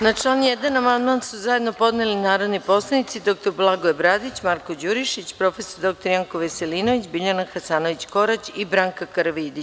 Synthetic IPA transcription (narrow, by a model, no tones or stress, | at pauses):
nat͡ʂlˠaːnjed̪anamand̪mansuzaje̞d̪no̞po̞d̪nelinaːɾod̪nipo̞slˠanit̪sid̪o̞kt̪oɾblˠaɡoebɾad̪it͡ɕmaɾko̞d͡ʑuɾiʃit͡ɕpɾo̞fe̞soɾd̪o̞k̚t̪oɾjaŋkoʋeseliːno̞ʋit͡ɕbiʎanaxasaːnoʋit͡ɕko̞ɾat͡ɕibɾaːŋkakaɾʋid̪it͡ɕ